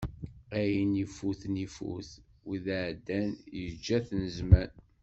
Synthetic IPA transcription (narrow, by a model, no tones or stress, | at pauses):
æjənifuθnifṵθ | wiðʕd̪ːænjəd͡ʒːæθnəzmæn